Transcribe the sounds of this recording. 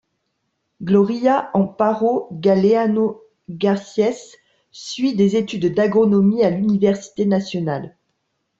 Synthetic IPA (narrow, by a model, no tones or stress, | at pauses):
ɡlɔʁijaʔɑ̃paʁoɡaleano | ɡaʁsjɛs | sɥid̪ezet̪yd̪d̪aɡʁɔnɔmialynivɛʁsi̥t̪enasjɔnal